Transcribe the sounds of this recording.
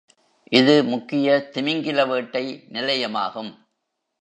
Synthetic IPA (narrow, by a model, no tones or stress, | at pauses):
ʔɪðɯmʊkːɪjɐt̪ɪmɪŋɡɪlɐʋeːʈːɐɪnɪlɐjɐmaːɣɯm